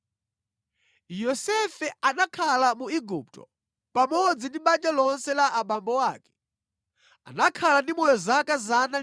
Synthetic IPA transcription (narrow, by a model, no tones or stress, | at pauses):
jɔsɛfɛanakʰalamuiɡup̚tɔ̰ | pamɔd͡zindiɓand͡ʒalɔnsɛlaʔaɓambɔwaːkɛ̥ | a̰nakʰalandimɔjɔzakazana